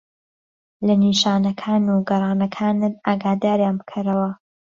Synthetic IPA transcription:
lɐniːʃaːnɐkʰaːnuɡɐɾˤɑːnɐkʰaːnɨnaːɡaːd̪aːɾjaːnbɨkʰɨɾɐwɐ

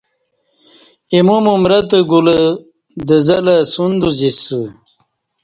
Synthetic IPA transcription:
imumumɾɐt̪əɡulə | d̪əzɐlasund̪uzisu

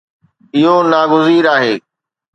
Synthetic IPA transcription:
ɪɦonaːɡʊziːɾaːɦeː

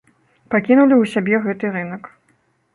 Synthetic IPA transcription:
pakʲinulʲiwsʲabʲɛɣɛt̪ɨɾɨnɐk

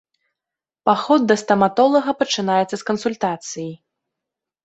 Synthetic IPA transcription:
paxɔd̪ːɐst̪ɐmat̪ɔlˠɐɣɐpɐt͡ʂɨnajɛt̪sːɐskɐnsulʲt̪at̪sɨji

